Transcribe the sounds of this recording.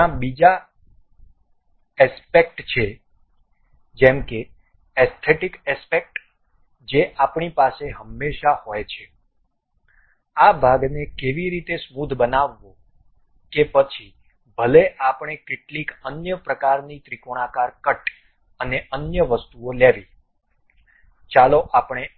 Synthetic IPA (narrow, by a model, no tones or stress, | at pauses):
abid͡ʒa | ɛspek̚ʈt͡ʃʰe | d͡ʒɛmke | ɛst̪ʰeʈikɛspek̚ʈ | d͡ʒeʔapɳipaseɦəmːeʃahojt͡ʃʰe | abʱaɡnekeʋiɾit̪esmud̪ʱbənaʋːõ | kepət͡ʃʰi | bʱəleʔapɳ̃ekeʈlikənjəpɾəkaɾnit̪ɾikoɽ̃akaɾkəʈ | əneʔənjəʋəst̪uoleʋi | t͡ʃaloʔapɳ̃e